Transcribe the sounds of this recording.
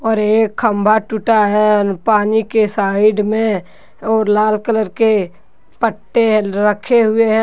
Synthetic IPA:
ɔːɾeːkkʰːə̃mbʱaʈʊʈaɦɛɾpaːnikesaːɪɖmẽ | ɔːɾlaːlkələɾke | pəʈːeɦɾəkʰeɦʊeɦɛ̃

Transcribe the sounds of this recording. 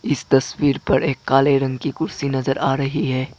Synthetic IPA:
ɪst̪ɐswiːɾpɐɾeːkːaːleɾɐ̃ŋɡkikʊɾsinɐzəɾaːɾɐɦiɦɛː

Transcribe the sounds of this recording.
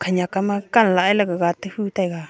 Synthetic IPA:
kʰaɲãkamãkanlaʔelakaɣat̪ɨhut̪aiɣa

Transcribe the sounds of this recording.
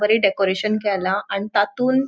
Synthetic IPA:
ʋəɾiːɖekoɾeɕənkɛlaaɽ̃it̪at̪uːn

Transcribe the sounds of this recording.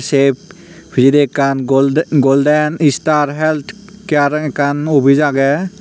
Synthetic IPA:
sep̚ | bʰʱizidekanɡoldɛnistaɾɦɛlt̪ʰ | kaɾkanubʱizaɡɛ

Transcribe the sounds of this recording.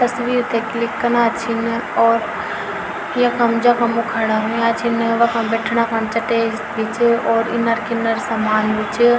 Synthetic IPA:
t̪ɐsʋiːɾt̪ʰeklɪkːɐnaːt͡ʃʰɪnɪ̆ɔːɾ | ijãkʰãmd͡ʑakʰãmukʰaɽaɦũjãːt͡ʃʰinʋɐkʰãbɛːʈʰɽ̃akʰãt͡ʃɐʈeːz | ʋɪt͡ʃɔːɾɪ̰nəɾkɪnəɾsamaːnʋɪt͡ʃɪ

